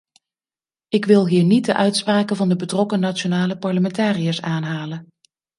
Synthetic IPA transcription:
ɪkʋɪlˠɦiːɹnid̚dəʔœɥtspraːkənvɑndəbətrɔkənat͡ʃonaːləpɑɹləmɛntaːrijaːsaːnɦaːlən

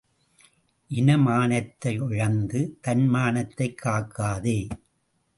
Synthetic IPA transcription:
ʔɪnɐmaːnɐt̪ːɐɪʊɻɐnd̪ɯt̪ɐnmaːnɐt̪ːɐɪkʰːaːkːaːðeː

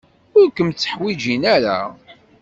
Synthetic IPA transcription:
ʊɾkʷəmt͡sːə̥ħwid͡ʒinæɾa̰

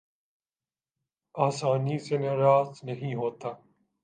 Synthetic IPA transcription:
aːsaːniːseneɾaːznəɦĩːɦoːt̪aː

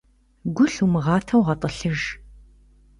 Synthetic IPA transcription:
ɡʷʊɬumɨʁɑːtʰɐwʁɐtʼəɬɨʒ

